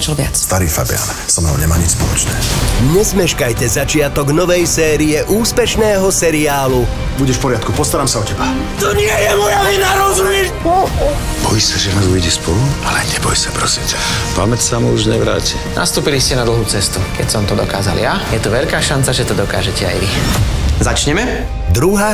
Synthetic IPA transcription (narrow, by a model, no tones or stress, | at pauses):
t͡ʃɔlʋɪa̰t͡sst̪aɾiːfa̰bɪa̰ːn | sɔmnɔ̰ʊɲɛmaːɲit͡ʃspɔlɔt͡ʃnɛ̰ːɲɛzmɛʃkajcɛzat͡ʃɪat̪ɔɡnɔʋɛjsɛːɾiɛʔuːspɛʃnɛːɦɔsɛɾiaːlu | buɟɛʃpɔɾɪat̪kupɔst̪aɾaːmsaɔcɛba | t̪ɔɲɪɛjɛmɔjainaɾɔzumɛʃ | ɔ | bɔjisaʒɛnaːzujɟɛspɔlualɛɲɛbɔjsḁpɾɔsimtɛpamɛt̪samuuʒɲɛʋɾa̰ːcina̰st̪uːpiliscɛnad̪l̩ˠɦuːt͡sɛst̪ukɛcsɔmt̪ɔd̪ɔ̰kaːza̰ljajɛt̪uʋɛʎkaːʃant͡saʒɛt̪ɔd̪ɔkaːʒɛcɛa̰jʋizat͡ʃɲɛmɛ | d̪ɾuɦaː